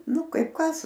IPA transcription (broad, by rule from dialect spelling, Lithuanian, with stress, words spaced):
ˈnʊ ˈkɐɪp ˈkɐs